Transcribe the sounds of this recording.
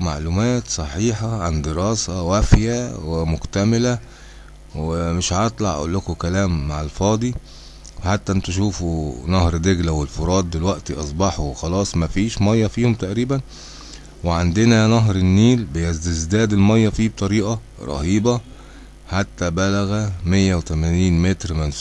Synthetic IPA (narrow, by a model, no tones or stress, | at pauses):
ma̰ʕlumæːt̪sˤɑħiːħɑʕand̪eɾɑːsæwæfjæwemʊkt̪æmɪlæ | wemeʃhʔɑt̪ˤlɑʕʔa̰ʔṵlːokokælæːmːaʕalfɑːd̪ˤi | weħat̪ːæʔent̪uʃ̬uːfunɑhɾd̪eɡlæwelfoɾˤɑːd̪̚ˤːelwæʔt̪iʔɑsˤbɑħuwxɑlɑːsˤmæfiːʃmɑjːɑfiːhomt̪æʔɾiːbæn | weʕand̪enænɑɦɾenːiːlbejæzd̪ezd̪æːd̪elmɑjːɑfiːbet̪ˤɑɾiːʔɑ | ɾˤɑ̰hiːbɑ | ħat̪ːæbælæɣæmejːæwet̪æmæniːnmet̪ɾmæns